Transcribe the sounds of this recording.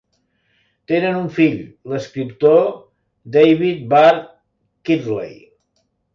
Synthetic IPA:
t̪enənuɱfiʎləskɾipt̪o | d̪ejβit̪̚baɾ | kid̪lḛj

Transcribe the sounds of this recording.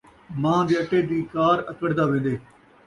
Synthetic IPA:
mãːd̪eːəʈːeːd̪iːkaːɾət̪əɽd̪aːʋẽːnd̪eː

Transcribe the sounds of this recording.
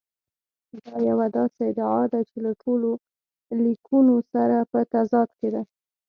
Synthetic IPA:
d̪ɑjawad̪ɑseɪd̪aʕɑd̪at͡ʃelaʈʰolo | likʰunosaɾapət̪azɑd̪ked̪a

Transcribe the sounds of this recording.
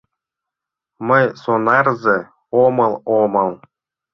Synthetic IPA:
mə̆jsonɑrzĕ | omɤ̆lˠomɤ̆lˠ

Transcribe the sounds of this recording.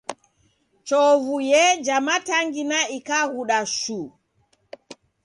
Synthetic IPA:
t͡ʃɔvujɛd͡ʒamataŋɡinaikahuɗaʃu

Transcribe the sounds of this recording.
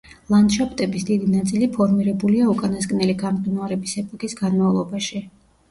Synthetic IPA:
lˠand̪ʃapʼt̪ʼɛbisd̪id̪inat̪sʼilipʰɔɾmiɾɛbuliaukʼanasɡnɛliɡamdd̪unaɾɛbisɛpʼɔkʼisɡanmavlˠɔbaʃi

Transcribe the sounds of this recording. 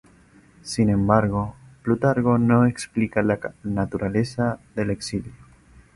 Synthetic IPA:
sinẽ̞mbaɾɣo̞plut̪aɾɣo̞no̞eksplikalanat̪uɾale̞saðe̞le̞ksiljo

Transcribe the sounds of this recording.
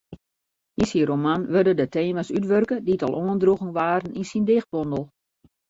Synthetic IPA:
insiromanʋørdədəteːmasytʋørkəditɔ̰lˠʔoːəndruɣəŋʋaːɾəninsindɪx̚bɔndəlˠ

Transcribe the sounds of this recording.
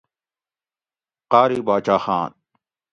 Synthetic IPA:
qaːɾiːbaːt͡ɕaːxaːn

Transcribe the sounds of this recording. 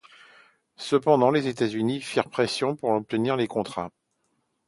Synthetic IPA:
səpɑ̃d̪ɑ̃lezet̪azynifiʁpχɛsjɔ̃puʁɔp̚t̪əniʁlekɔ̃t̪χa̰

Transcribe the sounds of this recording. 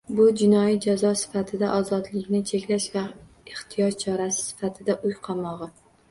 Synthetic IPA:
bʊd͡ʒɪnɒjid͡ʒazɒsɪ̥fat̪ʰɪd̪aʔɒzɒd̪lɪkʲnɪt͡ʃʰe̞kʲlaʃva | ɪχt̪ʰɪjɒt͡ʃʰɒɾasɪ̥sɪ̥fat̪ʰɪd̪aʔʊjqʰɑmɒʁɨ

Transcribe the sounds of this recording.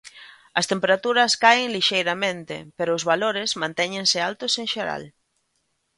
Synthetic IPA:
ɐst̪empeɾat̪uɾɐskaɪŋliʃejɾɐmẽnt̪ɪ̰peɾʊːzβaloɾɪzmãnt̪ɛɲẽŋsɪalt̪ʊsẽŋʃeɾa̰l

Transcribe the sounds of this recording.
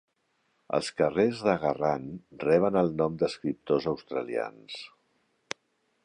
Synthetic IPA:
ə̰lˠskərezðəɣəranrɛβ̞ənəlˠnɔmd̪əskɾip̚t̪ozəwst̪ɾəlia̰ns

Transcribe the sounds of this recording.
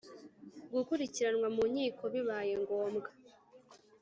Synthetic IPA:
ɡukuɾiciɾanwamumɲiːkʰo̞βiβaːje̞ŋɡo̞ːmɡa

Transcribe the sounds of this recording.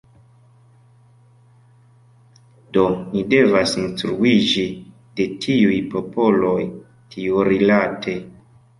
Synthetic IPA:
do̞nide̞vasinstɾuid͡ʒi | d̥e̞tʰiujpo̞po̞lo̞j | tʰiuɾilatʰe̞

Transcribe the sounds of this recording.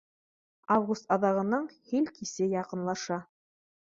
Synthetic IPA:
avɡust̪ɑðɑʁɤ̆nɑɴhilkisɘjɑqɤ̆nlˠɑʃɑ

